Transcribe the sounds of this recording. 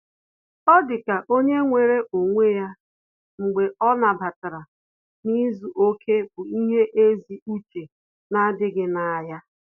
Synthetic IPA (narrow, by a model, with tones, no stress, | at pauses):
ɔ˦dɪ˨ka˨ʔo˦ɲe˦ŋʷe˨ɾe˦ʔo˨ŋʷe˦ja˦ | ŋ͡m̩˨ɡ͡be˨ɔ˦na˨ba˨ta˨ɾa˨ | ni˦zu˨ʔo˦kʰe˦bʊ˨i˦ɦe˦ʔe˦zi˨u˦t͡ʃe˨ | na˦dɪ˦ɡɪ˦na˨a˨ja˦